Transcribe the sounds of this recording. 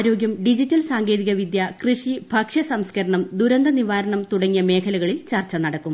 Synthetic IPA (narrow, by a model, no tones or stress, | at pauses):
ɾo̞ːɡjɐmɖid͡ʑitːɐlsaːŋɡe̞ːðiɣɐʋid̪jɐkrɨʂibʱɐkʂɐsɐmskɐɾɐɳɐmd̪uɾɐnd̪ʱɐniʋaːɾɐɳɐmt̪uɽɐŋːijɐme̞ːkʰɐlɐɣɐɭilt͡ɕɐrt͡ɕːɐnɐɽɐkːum